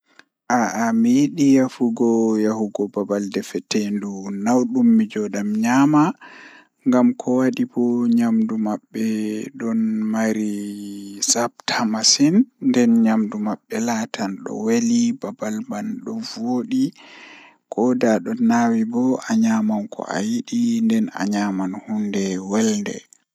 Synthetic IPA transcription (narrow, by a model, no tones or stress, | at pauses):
ʔaʔamijiɗijahuɡɔjahuɡɔbabaldɛfɛtendunawɗumːid͡ʒɔɗamɲama | ŋɡamkʰɔwaɗibɔɲamdumabːɛɗɔnmaɾi | sab̚tʰamasinːdɛnɲamdumaɓːɛlaːtanɗɔ̰welibabalbanɗɔvoɗi | kʰɔdaɗɔnːawibɔʔaɲamankʰɔ̰ʔa̰jiɗindɛna̰ɲamanhundɛwɛlndɛ̰